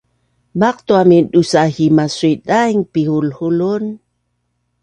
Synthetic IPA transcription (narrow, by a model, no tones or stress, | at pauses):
maq̚t̪uaminɗusahimasuiɗajŋpihulhulun